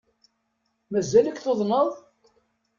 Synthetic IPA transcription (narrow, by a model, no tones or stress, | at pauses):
mæzːæləkθoðˤnəðˤ